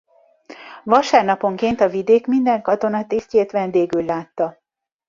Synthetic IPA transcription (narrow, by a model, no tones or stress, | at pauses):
vɒʃaːrnɒpo̞ŋkeːnt̪ɒvid̪eːkmind̪ɛŋkɒt̪o̞nɒt̪eːsceːt̪ʋɛnd̪eːɡylːaːt̪ːɒ